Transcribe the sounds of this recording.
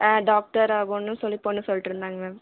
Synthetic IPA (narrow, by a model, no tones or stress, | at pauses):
ɖaːk̚ʈɐɾaːɣonːɯ̃sɔlːipoːnːɯsɔliʈːɪɾɯnd̪aːŋɡɐ